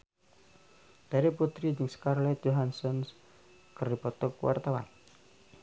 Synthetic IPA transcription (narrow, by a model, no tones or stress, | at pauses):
d̪̥aɾeput̪ɾid͡ʒɪŋskarlɛt̪̚joɦansɔns | kəripɔt̪ɔkwa̰rt̪awa̰n